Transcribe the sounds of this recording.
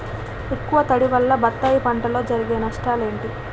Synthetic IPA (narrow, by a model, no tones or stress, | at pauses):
ekːuʋɐt̪ɐɽiʋɐlːɐbɐt̪ːaːjipɐɳʈɐlo̞ːd͡ʒɐɾiɡeːnɐʂʈaːle̞ːɳʈi